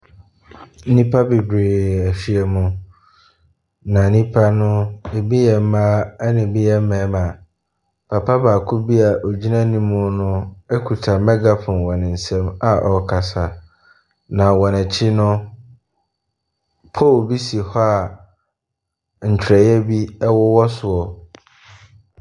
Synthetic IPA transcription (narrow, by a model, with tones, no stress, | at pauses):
nĩ˦pʰa˦bi˨bɾeː˨æ˨ɕi˦ɛ˦mʊ̃˨ | nã˨nĩ˦pʰa˦nʊ̃˦e˨bi˦jɛ˨m̩˦mãː˦nɪ̃˨bi˦jɛ˦m̩˦mɛ̃ː˨˦mã˨ | pʰa˨pʰa˦baː˨kʰʊ˦bi˦a˨ʔo˨d͡ʑi˦nã˦nĩ˦mʊ̃˦nʊ̃˦ɛ˦kʰu˨tʰa˨mɛ˦ɡa˦pʰʊ̃˨nwɔ˨nɪ̃˨n̩˨sɛ̃˦ma˨ʔɔ˨kʰa˨sa˨ | nã˨wɔ˨nɛ˨t͡ɕʰɪ˦nʊ̃˦ | pʰɔ˦˨lbi˦si˨hɔ˦a˨ | n̩˨t͡ɕʰᶣɾɛ˨jɛ˦bi˦ɛ˦wɔ˦wɔ˦sʊ˨ɔ˨